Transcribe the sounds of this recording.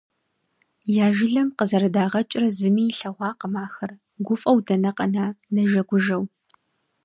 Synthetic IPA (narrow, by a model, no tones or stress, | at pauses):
jaːʒɪɮɐmqəzɐɾɐdaːʁɐt͡ʃʼrɐzɨmiːɬɐʁʷɑːqəmaːxɐr | ɡʷʊfʼɐwdɐnɐqɐnaːnɐʒɐɡʷʊʒɐw